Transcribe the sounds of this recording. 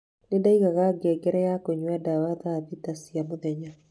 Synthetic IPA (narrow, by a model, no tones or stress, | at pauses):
nedaiɣaɣaɡɛɡɛɾɛjakoɲwadawaðaðit̪asiamoðɛɲa